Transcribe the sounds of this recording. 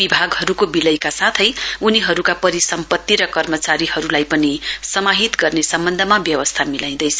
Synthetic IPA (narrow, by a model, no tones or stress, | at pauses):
bibʱaɡɦʌɾukobilʌjkasat̪ʰʌjuniɦʌɾukapʌɾisʌmpʌt̪ːiɾʌkʌrmʌt͡saɾiɦʌɾulajpʌnisʌmaɦit̪ɡʌrnesʌmbʌnd̪ʱʌmabjʌwʌst̪ʰamilaj̃d̪ʌjt͡sʰʌ